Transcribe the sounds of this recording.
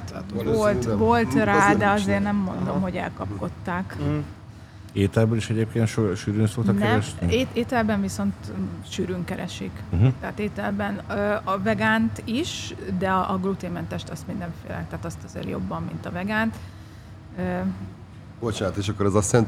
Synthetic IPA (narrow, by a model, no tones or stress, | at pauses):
volt̪vo̞lt̪raːd̪ɛɒzeːrnɛmːo̞̰nd̪o̞mho̞ɟɛ̰lkɒp̚ko̞t̪ːaːk | eːt̪ɛlbøliʃɛɟeːp̚keːnt̪ʃoʃyːɾynsok̪ɒnk̪ɛɾɛʃneːeːt̪ɛlbɛɱviso̞nt̪ʃyːɾyŋkɛɾɛ̰ʃḭk̩ɦt̪ɛaːt̪eːt̪ɛlbɛnøːɒvɛɡaːnt̪iʃd̪ɛɒʔɒɡlut̪eːmɛnt̪ɛʃt̪ɛsmind̪ɛɱfḛːlɛ̰t̪ɛaːt̪ɒst̪ɒzḛːrjo̞̰bːɒmːḭnt̪ɒvɛɡaːnt̪ | ø | b̥ot͡ʃaːt̪eːʃɒkːoɾɛzɒsɛnt̪